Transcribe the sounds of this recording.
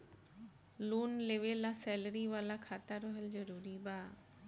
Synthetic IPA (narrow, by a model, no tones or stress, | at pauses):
luːnleʋelasɛːləɾiʋaːlakʰaːt̪aɾɔɦəld͡ʑəɾuːɾibaː